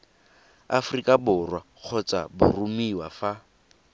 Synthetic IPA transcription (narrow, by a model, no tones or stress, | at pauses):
a̰frikʼabʊrwaq͡χʰɔt͡sʼa̰bʊ̰rumiwafa